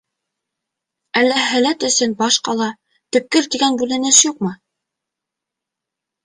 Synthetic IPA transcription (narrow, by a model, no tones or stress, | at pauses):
ælːæɦælæt̪ɵ̆sɘnbɑʃqɑlˠɑ | t̪ɵ̆p̚kːɘɾt̪iɡænbʉlɘ̆nɘʃjuqmɤ